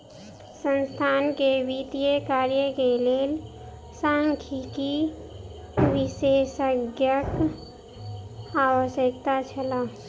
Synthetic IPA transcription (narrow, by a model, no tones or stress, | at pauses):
sənst̪ʰankeʋit̪ijəkaɾjəkeleːl | sãŋkʰiki | ʋisʃesəɡjək | aːwəsjəkt̪at͡ʃʰəla